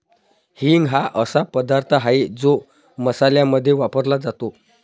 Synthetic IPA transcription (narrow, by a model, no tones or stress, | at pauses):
hiŋɡɦaʔəsapəd̪aɾt̪ʰəɦaid͡zo | məsaljaməd̪ʱːjeʋapəɾlad͡zat̪o